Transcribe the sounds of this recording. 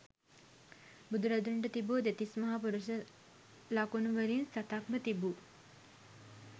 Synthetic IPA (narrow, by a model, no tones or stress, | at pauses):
bud̪uɾad̪uɳʈət̪ibud̪et̪ismaɦapuɾuʃə | lakunuʋəɾinsat̪akmət̪ibu